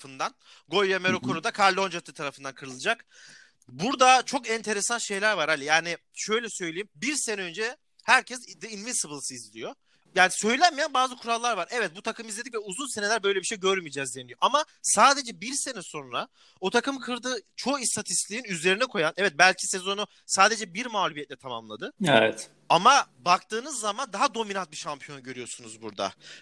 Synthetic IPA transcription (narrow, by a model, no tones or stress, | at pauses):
ɯnd̪an | ɡo̞jameɾokʰoɾud̪akʰalʲːo̞nd͡ʒat̪ʰɯt̪ʰaɾafɯnd̪ankʰɯɾɯlˠɯd͡ʒak | buɾd̪at͡ʃʰo̞kɛnt̪ʰe̞ɾesanʃe̞jlʲæɾvaɾalʲijaːni | ʃø̞jlʲɛsø̞jlʲejimbiɾsenɛø̞nd͡ʒɛ | hæɾcʰɛsd̪ɛinvinsɯbɯlˠsɯizlʲḭjo̞ | jaːnisø̞jlʲænmijænbaːzɯkʰuɾalˠːaɾvaɾɛvɛt̪̚but̪ʰakʰɯmizlʲeicvɛuzunse̞ne̞lʲæɾbø̞jlʲebiʃejɟøɾmid͡ʒɛzd̪einijoʔamasaːd̪e̞d͡ʒɛbiɾse̞nɛso̞nɾa | o̞t̪ʰakɯmkʰɯɾd̪ɯt͡ʃʰo̞ːist̪ʰat̪ʰist̪lʲiinyzlʲe̞ɾinɛkʰo̞janɛvɛt̪̚bælʲcʰise̞zo̞nu | saːd̪e̞d͡ʒɛbiɾmaːlʲubijɛt̪lʲɛt̪ʰama̰mlˠad̪ɯevɛ̰t̪ | amabakt̪ʰɯːnɯzːamand̪aɦad̪o̞minant̪̚biʃampʰijo̞nɟø̞ɾyjo̞sunuzbuɾd̪a̰